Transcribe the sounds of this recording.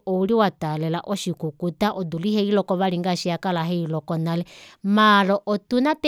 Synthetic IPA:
ɔuliwatalɛlaʔɔʃikukutaʔɔduliɦɛilɔkɔβaliŋɡaʃiakalaɦɛilɔkɔnalɛmalɔʔɔtunat

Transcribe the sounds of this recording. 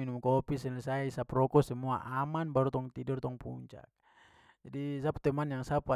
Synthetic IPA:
inumkɔpisɛlisaiisaprɔkɔsɛmua̰ʔamanbaɾut̪ɔŋt̪idɔrt̪ɔŋpṵɲt͡ʃa̰k̚ | d͡ʒadisap̚t̪ɛmanjaŋsapa

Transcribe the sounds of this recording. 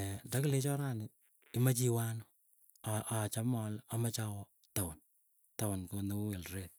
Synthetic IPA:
dakilet͡ʃɔɾanɪ | imat͡ʃiwano | aʔat͡ʃamɔlamat͡ʃawɔ | tawʊn | tawʊnkonouwelret̚

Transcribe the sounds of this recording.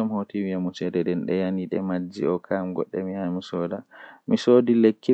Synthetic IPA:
ɔmhotiwiamusɛdɛdɛnɗɛjaniɗɛ̰mad͡ʒːiɔkʰamɡɔ̰ɗːɛmihamisɔːdamisoːdilekʰːi

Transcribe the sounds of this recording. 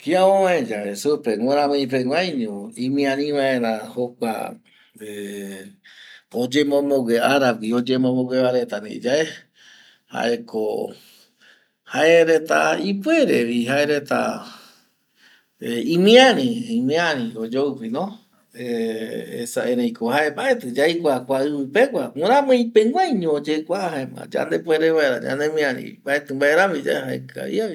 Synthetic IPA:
kiaoaẽd͡ʒaesupeŋʷãɾãmẽĩp̬eŋʷãjɲũĩmĩãnĩʋaẽ̞ɾãhokʷa̰ | e | od͡ʒemõmõɡeaɾab̚kiod͡ʒemõmõɡeβaɾe̞t̪anḛ̃d͡ʒae | ha̰ʔekʰo | haeɾet̪aipweɾeβiɦaeɾet̪a̰ | eĩmĩaɾĩimĩãɾĩod͡ʒowpinõ | eḛsaeɾẽj̃kohaembaʔe̞t̪ɨd͡ʒajkʷakʷaɨpɨpekʷaũɾãmõĩpeŋʷãjɲõd͡ʒekʷaɦaemã̰d͡ʒa̰nd̪epweɾeβaeɾa̰d͡ʒã̰nd̪emĩãɾḭ̃baʔe̞t̪ɨmbaʔeɾãmĩd͡ʒa̰ehaḛkɨa̰ḭaβi

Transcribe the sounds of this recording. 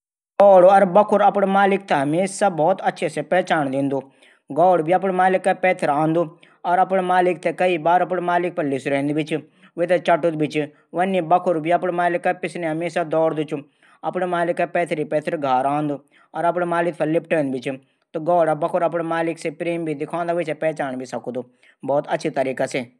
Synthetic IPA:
ɡɔːɽoɐɾbɐkʰʊɾɐpɽ̃maːlɪk̚t̪eɦɐmeːssabɔːt̪ɐtːʃʰesepɛːt͡ʃaːɳ̃d̪ĩːnd̪u | ɡɔːɽbiɐp̬ɽmaːlɪkːapɛːt̪ʰɪɾãːnd̪u | ɔɾɐpɽ̃maːlɪk̚t̪ekɐibaːɾɐp̬ɽmaːlɪk̚pɐɾlɪsɾẽːnd̪bɪt͡ʃ | ʋet̪et͡ʃɐʈud̪bɪt͡ʃ | ʋɐnːibɐkʰʊɾbiɐpɽemaːlɪkːapɪsneɦɐmeːsad̪ɔːɾd̪ut͡ʃʰu | ɐpnemaːlɪkːapɛːt̪ʰɾipɛːt̪ʰɪɾɡʱaːɾãːnd̪u | ɔːɾɐp̬ɽemaːlɪkt̪pɐlɪp̚ʰʈẽːnd̪bɪt͡ʃ | t̪oɡɔːɽabɐkʰʊɾɐp̬ɽemaːlɪksepɾeːmbʱid̪ɪkʰãːnd̪aʋɪt͡ʃepɛːt͡ʃaːɳbʱisɐkud̪u | bɔːt̪ɐːt͡ʃʰit̪ɐɾiːkaseː

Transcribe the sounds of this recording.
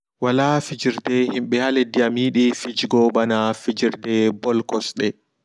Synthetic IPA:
walaːfid͡ʒiɾdɛhimɓɛhalɛdiamiːɗifid͡ʒɡɔbanafid͡ʒiɾdɛbɔlkɔsɗɛ

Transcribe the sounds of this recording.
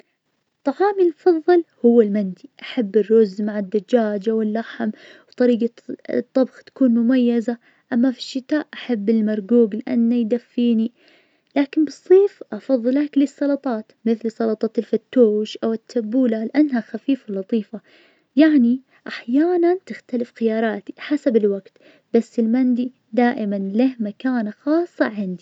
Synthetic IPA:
t̪ˤːɑʕɑːmilmʊfɑðˤːɨlhʊwːɪlmand̪iʔaħabːɪrːʊzmaʕɪd̪ːad͡ʒːaːd͡ʒʔawɪlːaħmwt̪ˤɑɾiːɡa | t̪ˤːɑbxt̪ḁkuːnmʊmajːaza | ʔamːafi̥ʃːɪt̪aːʔʔaħabːɪlmɑɾˤɡuːɡlɪʔa̰nːajd̪afːiːni | laːkɪnbɨsˤːiːfʔɑfɑðˤːɨlaklisˤːɑlɑt̪ˤɑːt̪mɪθlsˤɑlɑt̪ˤɑːt̪ɪlfat̪ːuːʃʔawɪt̪ʰːabuːlalɪʔanːɦaxafiːflɑt̪ˤiːfa | jaʕni | ʔaħjaːnant̪ɪxt̪alɪfxɪjɑːɾˤɑːt̪i̥ħasabɪlwaɡt̪ | basːɪlmand̪i | d̪aːʔɪmanlɪhmakaːnaxɑːsˤːɑ̰ʕɪnd̪i

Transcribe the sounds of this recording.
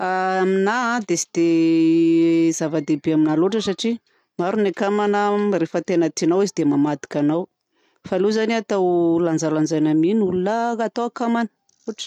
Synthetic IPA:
aaminad̪esi̥d̪̥e | zavad̪ebeaminaloʈ͡ʂəsaʈ͡ʂi | maɾunakamanərefət̪enət̪inawizid̪emamad̪i̥kʲanaw | faluzaniat̪awland͡zaland͡ʒajnaminulunaat̪awakamanə̥ | uʈ͡ʂə̥

